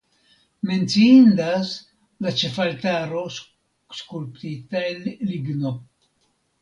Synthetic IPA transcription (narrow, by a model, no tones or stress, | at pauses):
ment̪siind̪as | lat͡ʃefalt̪aɾo | skulpt̪it̪aleliɡno